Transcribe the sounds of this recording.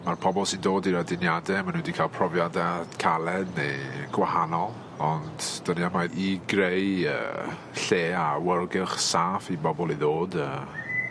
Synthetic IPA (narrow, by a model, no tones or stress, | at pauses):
marpʰɔbɔlˠsɪndoːdiɾadɪnjadɛmanũndikʰaːlˠpʰrɔvjadad̥kʰalˠɛdneɡ̥wahanɔlˠ | ɔnd̥d̥əniamajɾiɡrejə̰ | ɬeːawərlˠɡɪχsaːfibɔbɔlˠiðoːdəː